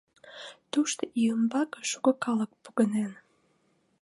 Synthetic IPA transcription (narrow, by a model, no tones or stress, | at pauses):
t̪uʃt̪oʔiəmbɑkəʃuɣəkɑlək̚puɣənen